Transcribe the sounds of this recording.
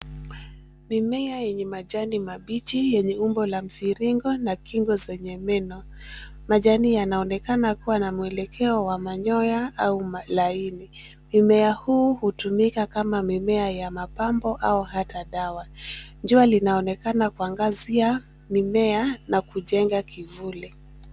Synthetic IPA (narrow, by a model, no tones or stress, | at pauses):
mimɛajɛɲɛmaʄanimaɓit͡ʃijɛɲɛumbɔlam̩fiɾiŋɡɔnakiŋɡɔzɛɲɛmɛnɔmaʄanijanaɔnɛkanakuwanamuɛlɛkʰɛɔwamaɲɔjaaumalaini | mimɛahuːhutumikakamamimɛajamapambɔʔauhataɗawaɲd͡ʒualinaɔnɛkanakuaŋɡazia | mimɛanakuʄɛŋɡakivuli